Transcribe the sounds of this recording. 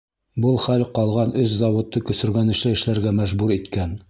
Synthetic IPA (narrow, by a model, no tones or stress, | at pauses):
bɤlˠχælqɑlˠʁɑnɵszɑwŏt̪ːɤkɵ̆sɵ̆ɾɡænɘ̆ʃlɘɘ̆ʃlæɾɡæmæʒbuɾit̪kæn